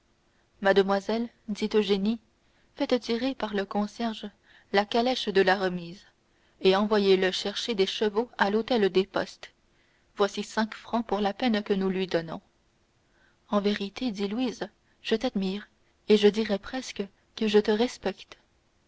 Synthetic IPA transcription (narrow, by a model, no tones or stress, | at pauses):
mad̪əmwazɛl | d̪it̪oʒeni | fɛt̪ət̪iʁepaʁləkɔ̃sjɛʁʒ | lakalɛʃd̪əlaʁəmiːz | eɑ̃vwajeləʃɛʁʃed̪eʃəvoalot̪ɛld̪epɔst̪ | vwasisɛ̃kfχɑ̃puʁlapɛnkənulɥid̪ɔnɔ̰̃ | ɑ̃veʁit̪ed̪ilwiz | ʒ̥ət̪ad̪miːʁ | eʒəd̪iʁɛpχɛskə | kəʒət̪əʁɛspɛkt̪